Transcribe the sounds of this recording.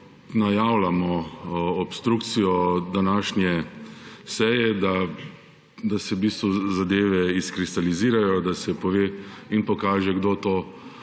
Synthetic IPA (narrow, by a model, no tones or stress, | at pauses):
najawlamɔɔpst̪ɾuːkt̪sijɔd̪anaːʃnjɛ | sɛjɛd̪a | d̪asɛbiːst̪ʋuzad̪eːʋɛiskɾist̪aliziːɾajɔd̪asɛpɔʋeːinpɔkaːʒɛɡd̪oːt̪oː